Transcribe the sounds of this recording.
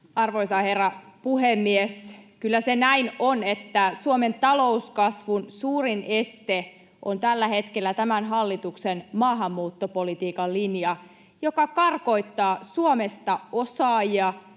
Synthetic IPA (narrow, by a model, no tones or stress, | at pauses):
ɑrʋoisɑherːɑpuhemːieskylːæsenæinonet̪ːæsuome̞nt̪ɑlo̞uskɑsʋunsuːrinest̪e | ʔont̪ælːæhe̞t̪kelːæt̪æmænɦɑlːit̪uksenmɑːɦɑmːuːt̪ːopolit̪iːkɑllinjɑ | jo̞kɑkɑrko̞it̪ːɑːsuomest̪ɑosɑːjɑ